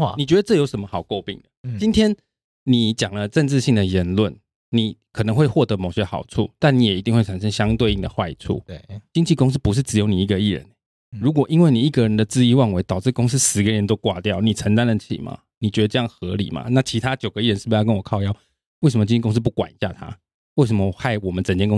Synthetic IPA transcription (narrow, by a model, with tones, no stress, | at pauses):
ni˨˩t͡ɕɥɛ˧˥d̪ə˧ʈ͡ʂɤ˥˩˨jo˧˥ʊʂə˧˥nmə˧xɑ˨˩ʊko˥˧ʊpḭ˥˩ŋd̪ə˩t͡ɕi˥nt̪ʰjɛ˥n | ni˨˩t͡ɕjɑ˨˩ŋlə˨ʈ͡ʂə˥˧nʈ͡ʂ̩˥˧ɕi˥˩ŋd̪ə˩jɛ˧˥nlwə˥˩n | ni˨˩˦kʰɤ˨˩nə˧˦ŋxwe˥˧ɪxwɔ˥˩t̪ɤ˧mo˨˩ʊɕjɛ˥xɑ˨˩ʊt͡sʰṵ˥˩t̪a˥˩ni˨˥jɛ˨˩i˧˥t̪i˥˧ŋxwe˥˩ɪt͡sʰa˨˩nʂ̬ə˦ŋɕjɑ˥ŋt̪we˥˧ɪi˥˩d̪ə̰˩xwa˥˧ɪt͡sʰṵ˥˩t͡ɕi˥nt͡ɕʰi˥˩kʊ˥ŋs̬̩˥pu˧˦ʂ̬ɻ̩˥˩t͡sɻ̩˧˥jo˧˥ni˨˩i˧˥ɡə˨˧i˥˩ɻə̰˧˦n˨ | ɻu˧˥k̬wɔ˨˩ʔi˦˥nwe˥˩ni˨˩i˥˩ɡə˨ɻə˧˦nd̪ə˨t͡sɹ̩˥i˧wa˥˩nwe˧˥ɪt̪ɑ˨˩ʊt͡sɻ̩˥˩kʊ˥ŋs̬̩˥sɹ̩˧˥ɡə˧˦˧ə˧˦nt̪o˥ʊkwa˥˧t̪jɑ˥˩ʊni˨˩t͡sʰə˧ŋnt̪a˥nd̪ə˨t͡ɕʰḭ˨˩mʔa̰˨˩ | ni˨t͡ɕɥɛ˧˥d̪ə˧ʈ͡ʂɤ˥˧jɑ˥˩ŋxɤ˧˥lḭ˨˩ma̰˦na˥˩t͡ɕʰi˧˥t̪ʰa˦t͡ɕjo˨˩ʊɡə˧˦i˥˩ɻə˧˦nʂ̩˥˩˧jkə˦nwɔ˨˩kʰɑ˥˧ʊjɑ˥˦ʊ | we˥˩ɪʂə˨˦mə˩t͡ɕi˥t͡ɕi˥˩kʊ˥ŋs̬̩˥p̬u˥˩kwa̰˨˩n˧˩ɕja̰˥˩t̪ʰa̰˥˦ | we˥˩ɪʂ̬ə˧˦mə˧˨˩xa˥˩ɪwɔ˨˩mə˦nt͡sə˨˩nt͡ɕjɛ˥nkʊ˥ŋ